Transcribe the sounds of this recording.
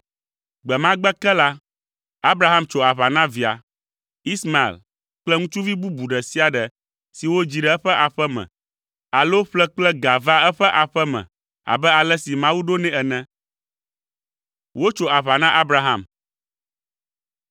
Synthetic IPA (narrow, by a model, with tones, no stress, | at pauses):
ɡ͡bɛ˨mã˦ɡ͡bɛ˦kɛ˦la˦ | a˦bɾa˦ɦa˦mt͡ʃo˨a˨βa˨nã˦vi˨a̰˨ | i˦sma˨ḛ˨l | k͡plɛ˦ŋũ˦t͡ʃu˦vi˦bu˦bu˨ɖɛ˨si˦a˨ɖɛ˨ | si˨wo˦d͡ʑi˨ɖɛ˨ɛ˦ɸɛ˦ʔa˨ɸɛ˦mɛ̰̃˨ | a˨lo˦ɸlɛ˦k͡plɛ˦ɡa˨va˦ɛ˦ɸɛ˦ʔa˨ɸɛ˦mɛ̰̃˨ | a̰˨bɛ˦a˨lɛ˦si˨mã˦wu˦ɖo˦nɛ̃˦ɛ˨nɛ̃˦ | wo˦t͡ʃo˨a˨βa˨nã˦ʔa˦bɾa˦ɦa˦m